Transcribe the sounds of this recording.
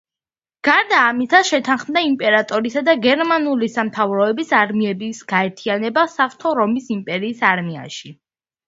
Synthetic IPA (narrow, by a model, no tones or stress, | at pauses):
ɡ̥aɾd̪aːmit̪ʰaʃɛt̪ʰanχmd̪aimpʼɛɾat̪ʼɔɾisad̪aɡɛɾmanulisamt̪ʰavɾɔɛbisaɾmiɛbisɡ̥aɛɾt̪ʰianɛbasaft̪ʰɔɾɔmisimpʼɛɾiːsaɾmia̰ʃi